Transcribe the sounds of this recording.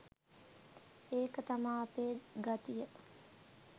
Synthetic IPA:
eːkət̪amaːpeːɡat̪ijə

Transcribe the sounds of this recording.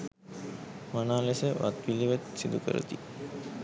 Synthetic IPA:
manaːlesəʋʔa̰t̪ʋiliʋet̪sid̪ukə̰ɾə̰t̪i

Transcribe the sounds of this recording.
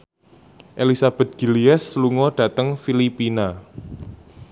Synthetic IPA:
ʔelisab̥ɛ̤t̪̚ɡ̥i̤liɛsluŋɔɖ̥ä̤t̪əŋfilipina

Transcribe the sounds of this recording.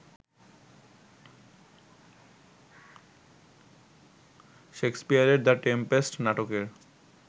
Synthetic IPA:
ʃekspijaɾeɾd̪aʈempesʈnaʈokeɾ

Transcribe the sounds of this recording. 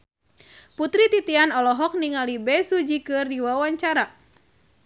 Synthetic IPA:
put̪ɾit̪it̪ianɔlɔɦɔk̚niŋalibɛsud͡ʒikɨrdiwawaɲt͡ʃaɾa

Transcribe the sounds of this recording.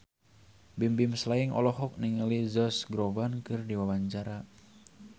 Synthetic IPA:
bimbimslaiŋʔɔ̰lɔɦɔk̚niŋəlizɔsɡɾɔvankɨrdiwawaɲt͡ʃaɾa

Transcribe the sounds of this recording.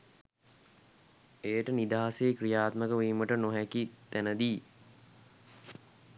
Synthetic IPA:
ejəʈənid̪aːaseːkrijaːt̪məkəʋiːməʈənoɦækit̪ænəd̪iː

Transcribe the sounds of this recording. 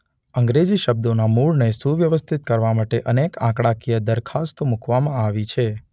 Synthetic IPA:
əŋɡɾed͡ʒiʃəb̚d̪onamuɭnesũʋjəʋəst̪ʰit̪̚kəɾʋamaʈeʔənekãkɽakijəd̪əɾkʰast̪omukʰʋamãaʋit͡ʃʰe

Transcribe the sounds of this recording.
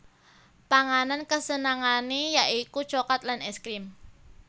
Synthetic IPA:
paŋanankəsənaŋanejaʔikut͡ʃokat̪lanɛskɾim

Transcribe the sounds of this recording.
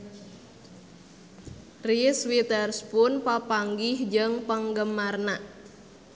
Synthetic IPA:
riswit̪ərspʊnpəpaŋɡɪhd͡ʒəŋpəŋɡəmarnaʔ

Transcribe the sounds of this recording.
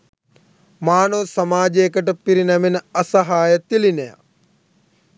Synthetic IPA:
maːnoːsɐmaːd͡ʒeːkɐʈɐpiɾinɐminɐsɐɦaːjɐt̪ilinɐja̰

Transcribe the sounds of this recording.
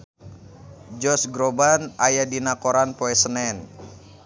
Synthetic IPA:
d͡ʒɔsɡɾobanajadinakoɾanpoɛsənɛn

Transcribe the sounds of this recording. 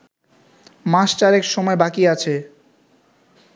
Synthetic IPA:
mãʃt͡ɕaɾɛkʃɔmɔebakiat͡ɕʰe

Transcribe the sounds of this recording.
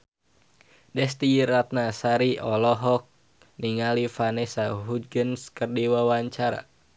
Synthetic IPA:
dɛst̪iɾat̪̚nasaɾiʔɔlɔɦɔk̚ | niŋalifanɛsaɦud͡ʒɡənskərdiwawaɲt͡ʃaɾa̰

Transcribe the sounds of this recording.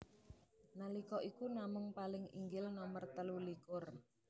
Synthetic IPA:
nalikɔʔikunamʊŋpalɪŋḭŋɡɪlnɔmərt̪əlulikʊr

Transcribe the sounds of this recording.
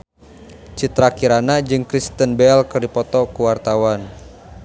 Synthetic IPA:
t͡ʃit̪ɾakiɾanad͡ʒɨŋkɾist̪ənbɛlkɨrdipɔt̪ɔkuwart̪awan

